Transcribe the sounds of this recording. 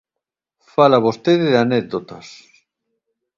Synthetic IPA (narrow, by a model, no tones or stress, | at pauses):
falaβost̪eðeðanek̚d̪ot̪as